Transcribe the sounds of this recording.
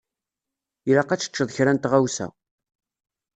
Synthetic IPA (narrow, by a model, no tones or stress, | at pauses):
ilaqæt͡sːə̥t͡ʃːəðˤəçɾænt̪ʁawsæ̰